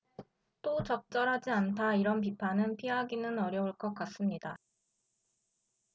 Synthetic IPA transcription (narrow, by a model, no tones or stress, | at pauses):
t͈ot͡ɕʌk̚t͡ɕ͈ʌɾɦad͡ʑiantʰaiɾʌnp̬ipʰanɯnpʰiɦaɡinɯnʌɾjʌuɭk͈ʌk͈as͈ɯmɲida